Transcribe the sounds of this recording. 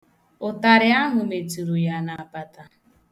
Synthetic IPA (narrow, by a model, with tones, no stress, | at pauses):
ʊ˨ta˨ɾɪ˦a˦ɦʊ˨me˨tu˨ɾu˨ja˨na˨a˨pa˨ta˨